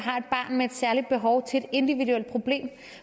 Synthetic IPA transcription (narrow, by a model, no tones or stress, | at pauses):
ɦɑ̈e̝d̥̚b̥ɑ̰̈ːnmeed̥sæɐlid̥̚b̥e̝ɦɒ̽ʊt͡sʰe̝ed̥e̝nd̥iʋiduel̰d̥̚pʰʁo̝b̥le̝̰ːm